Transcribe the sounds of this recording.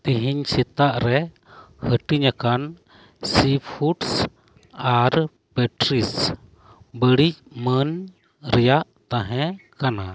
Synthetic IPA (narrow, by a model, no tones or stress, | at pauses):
t̪iɦiɲsit̪aʔɾɛ | həʈiɲakan | sipʰuʈs | aɾ | pɛʈɾis | bəɽic̚mən | ɾɛjaʔt̪ãɦɛ̃kana